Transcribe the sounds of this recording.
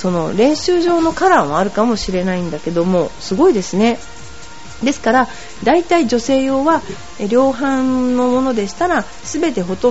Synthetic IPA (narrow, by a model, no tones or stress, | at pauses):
so̞no̞̰ɾẽ̞ɰ̃ɕɨːʑo̞ːno̞kaɾãɰ̃β̞aːɾɯ̟kamo̞ɕiɾe̞naĩnd̪ake̞d̪o̞mo̞sɨɡo̞id̪e̞sɨne̞ | d̪e̞sɨ̥kaɾa | d̪ait̪aid͡ʑo̞se̞ːjo̞ːβa | ɾʲjo̞ːɦãnno̞mo̞no̞d̪e̞ɕi̥t̪aɾa | sɨbe̞t̪e̞ɦo̞t̪õ